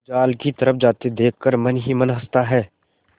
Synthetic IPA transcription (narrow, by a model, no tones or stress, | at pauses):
d͡ʒaːlkit̪ɐɾəfʰd͡ʒaːt̪ed̪eːkʰkəɾmɐnɦimɐnɦɐst̪aɦɛː